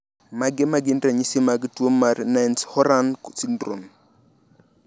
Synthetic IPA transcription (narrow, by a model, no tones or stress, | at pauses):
maɡɛmaɡɪndɾaɲisimaɡtwomːarnanshɔɾanksindɾṵn